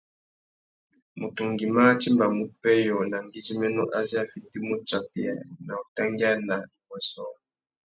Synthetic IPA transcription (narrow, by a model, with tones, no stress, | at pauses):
mu˨tu˨ŋɡi˨ma˦t͡ʃi˦mba˨mu˦pɛ˦jɔ˨na˨ŋɡi˦zi˦mɛ˦nɔ˦ʔa˦zi˦a˦˨fi˨ti˦mu˦t͡ʃa˦pi˦a̰˨na˨u˨ta˦ŋɡi˦a˦na˨li˨kwɛ˨sɔ˦